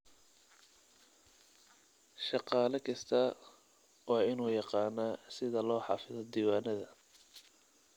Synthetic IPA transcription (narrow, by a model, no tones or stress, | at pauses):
ʃɑqɑːlɐkʰɐst̪ʰɐ | wɑːɪnuːjɑqɑːnaːsɪðɐlɔːħɑ̰ːfɪðɔd̪iːwɑːnɐðɐ